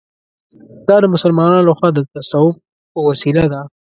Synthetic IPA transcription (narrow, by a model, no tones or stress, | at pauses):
d̪̥ɑd̪əmʊsəlmɑnɑnlaxwɑd̪ət̪asawʊf̚ | pəwasilad̪a